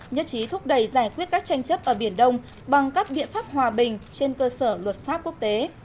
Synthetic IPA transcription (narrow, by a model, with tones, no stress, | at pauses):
ɲə̰˧˥nt͡ɕi˨˦t̪ʰʊ˦˥k͡p̚ɗə˧˩jzaː˧˩jkwi˦˥ət̚kaː˦˥k̚t͡ɕa˧jŋ̟t͡ɕə˦˥p̚ʔəː˧˩ɓi˧˩ənɗə˧wŋ͡m | ɓa˨˩ŋkaː˦˥k̚ɓḭ˧˨ənfaː˦˥p̚hwaː˨˩ɓï˨˩ŋ̟t͡ɕe˧nkəː˧səː˧˩lwə˨˩t̚faː˦˥p̚ku˦˥ək̚t̪e˨˦